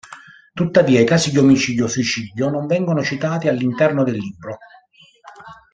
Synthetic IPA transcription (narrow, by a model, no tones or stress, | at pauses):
t̪ut̪ːaviːaikaːsid̪iomit͡ʃiːd̪josuit͡ʃiːd̪jonoɱvɛŋɡonot͡ʃit̪aːt̪ialːint̪ɛrnod̪ɪlːiːbːɾo